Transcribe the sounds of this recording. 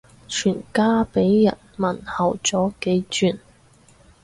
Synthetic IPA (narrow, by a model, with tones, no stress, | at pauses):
t͡ʃʰyː˨˩nkaː˥pe˨˥jːɐ̰˨˩nmɐ˨˩nhɐ˨˩wt͡sɔː˨˥ke˨˥jt͡ʃyː˨˩n